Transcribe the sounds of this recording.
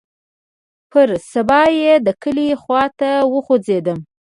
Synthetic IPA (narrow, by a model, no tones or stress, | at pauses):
pʰəɾsabɑjed̪əkəlixwɑt̪awəxod͡zed̪əm